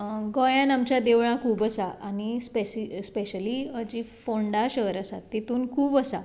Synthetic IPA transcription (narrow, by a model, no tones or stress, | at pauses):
ɡɔjãnamt͡ɕjad̪eʋɭãkʰuːbəsaañispesispeɕəliəd͡ʑifoɳɖaɕəɦəɾəsa̰t̪ːet̪uːnkʰuːbəsa